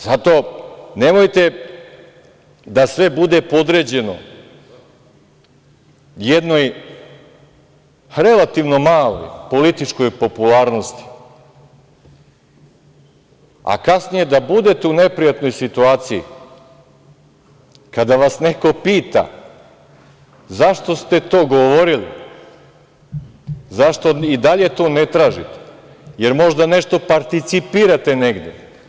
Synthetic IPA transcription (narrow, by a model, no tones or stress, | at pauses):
zat̪o̞ːne̞mo̞jt̪e̞ | d̪asʋe̞bud̪e̞po̞d̪ɾed͡ʑe̞no̞̰ | jed̪noj | ɾe̞lˠat̪iʋno̞maːlo̞̰jpo̞lit̪it͡ʃko̞jpo̞pulaːɾnost̪i̥ | a̰kasnije̞d̪abud̪et̪eune̞pɾijat̪no̞jsit̪uaːt̪sijḭ | kad̪aʋasne̞ko̞piːt̪a̰ | zaʃt̪o̞st̪e̞t̪o̞ːɡoʋoɾilḭ | zaʃt̪oid̪aʎe̞t̪o̞ːne̞t̪ɾaːʒit̪e̥ | je̞ɾmo̞ʒd̪ane̞ʃt̪o̞paɾt̪it̪sipiɾat̪e̞ne̞ɡd̪jḛ